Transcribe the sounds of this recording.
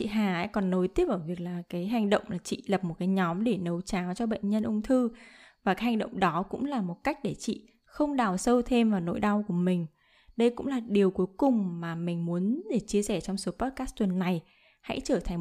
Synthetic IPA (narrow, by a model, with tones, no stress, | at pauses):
t͡ɕḭ˧˨ɦaː˨˩ha̰ː˧˥jkɔ˨˩nːo˨˦jt̪i˦˥əpʔəː˧˩vi˨˩ək̚laː˨˩kaː˨˦jɦa˨˩jŋ̟ɗə̰˧˨wŋ͡mlaː˨˩t͡ɕḭ˧˨lə˨˩p̚mo˨˩t̚kaː˨˦jɲɔ˨˦mɗe˧˩nə˨˦wt͡ɕaː˨˦wt͡ɕɔ˧ɓə̰˧˨ŋ̟ɲə˧nʔʊ˧ŋ͡mt̪ʰɨ˧ | vaː˨˩kaː˨˦jha˨˩ŋ̟ɗə̰˧˨wŋ͡mɗɔ˨˦kʊ̰˧˥ŋ͡mlaː˨˩mo˨˩t̚ka˦˥jk̟̚ɗe˧˩t͡ɕḭ˧˨ | xə˧wŋ͡mɗaː˨˩wsə˧wt̪ʰe˧mvaː˨˩wno̰˧˥jɗa˧wku˧˩əmï˨˩ŋ̟ | ɗə˧jkʊ̰˧˥ŋ͡mlaː˨˩ɗi˨˩əwku˨˦jkʊ˨˩ŋ͡mmaː˨˩mï˨˩ŋ̟mu˨˦ənɗe˧˩t͡ɕi˧əsɛ˧˩t͡ɕɔ˧wŋ͡mso˨˦pɔ˦˥t̚kaː˦˥st̪wnːa˨˩j | ha̰˧˥jt͡ɕəː˧˩t̪ʰa˨˩ŋ